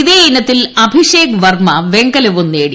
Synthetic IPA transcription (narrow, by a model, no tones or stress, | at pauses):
iðeːnɐt̪ːilɐbʱiɕeːkʋɐrmɐʋeŋɡɐlɐʋunːeːɽi